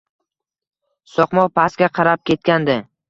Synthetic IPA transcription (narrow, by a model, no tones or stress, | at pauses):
sɒqmɒqpʰaskʲaqʰɑɾap̚kʲe̞t̪̚kʲand̪ɪ